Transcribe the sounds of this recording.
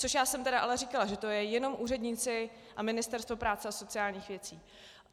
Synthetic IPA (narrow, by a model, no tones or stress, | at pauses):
t͡soʃjaːsɛmt̪ɛdaʔalɛɾikalaʒɛt̪o̞jɛjɛno̞mʔuːrɛdɲɪt͡sɪ | ʔamɪnɪst̪ɛɾst̪vo̞pɾaːt͡sɛaso̞t͡sɪaːlɲiːxvjɛt͡siː